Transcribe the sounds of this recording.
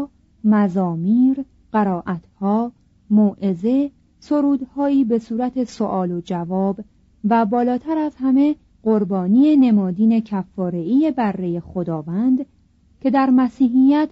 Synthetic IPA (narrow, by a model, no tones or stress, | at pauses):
mæzɒːmiːɾ | ɢ̥æɾɒːʔæt̪ʰhɒː | moːʔe̞ze̞ | so̞ɾuːd̪hɒːiːbe̞suːɾæt̪ʰe̞soʔɒːlo̞d͡ʒævɒːb | væbɒːlɒːt̪ʰæɾæzhæme̞ | ɢo̞ɾbɒːniːene̞mɒːd̪iːne̞cʰæfːɒːɾe̞iːje̞bærːe̞je̞xod̪ɒːvænd̪ | cʰe̞d̪æɾmæsiːɦijæt̪ʰ